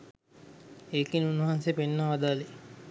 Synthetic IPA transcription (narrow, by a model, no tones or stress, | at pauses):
eːkinunːuɦansepenːaʋad̪aːle